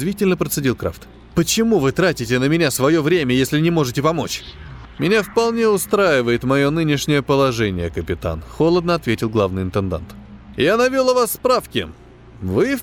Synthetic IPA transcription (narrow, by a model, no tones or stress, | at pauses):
zvʲitʲɪlʲnəpɾət̪sɨdʲilˠkɾa̰ft̪ | pət͡ɕɪmuvɨt̪ɾatʲɪtʲɪnəmʲɪnʲasvɐjo̞vɾʲemʲəəjesʲlʲɪnʲɪmo̞ʐɨtʲɪpɐmo̞t͡ɕ | mʲɪnʲafpɐlˠnʲe̞ʊst̪ɾajɪvəjɪt̪mɐjo̞nɨnʲɪʂnʲɪjəpəlˠɐʐɛnʲɪjəkəpʲɪt̪a̰nxo̞lˠəd̪nəɐt̪vʲetʲɪlˠɡlˠavnɨjɪnt̪ɨnd̪a̰nt̪janɐvʲilˠəvasːpɾafkʲɪ̰ | vɨ